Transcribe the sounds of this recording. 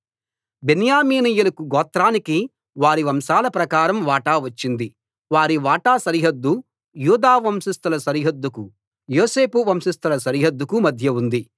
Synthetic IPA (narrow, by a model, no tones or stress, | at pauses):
benjaːmiːnijulɐkuɡɔːt̪ːɾaːniki | ʋaːɾiʋɐmʃaːlɐpɾɐkaːɾɐmʋaːʈaːʋɐt͡ʃːind̪i | ʋaːɾiʋaːʈaːsɐɾiɦɐd̪ːu | juːd̪aːʋɐmsist̪ɐlɐsɐɾiɦɐd̪ːuku | joːseːpuʋɐmsist̪ɐlɐsɐɾiɦɐd̪ːukumɐd̪ʱjɐund̪i